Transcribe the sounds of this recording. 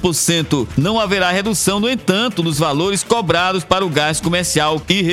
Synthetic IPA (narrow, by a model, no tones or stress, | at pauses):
poɾsẽnt̪ʊnɐ̃w̃aveɾaɦed̪usɐ̃w̃nʊẽt̪ɐ̃nt̪ʊd̪ʊzvaloɾɪskɔbɾad̪ʊspaɾɐʊɡaskomeɾsiawkɪɦe